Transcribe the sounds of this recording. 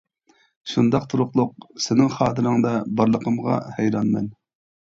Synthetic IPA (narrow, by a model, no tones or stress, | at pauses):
ʃund̪ɑqt̪ʰuɾʊqlˠʊq̚sɪnɪŋχɑːt̪ʰɨɾɨŋd̪ɑbɑɾlˠəqʰəmʁɑ̰hɛjɾɑnmɛ̰n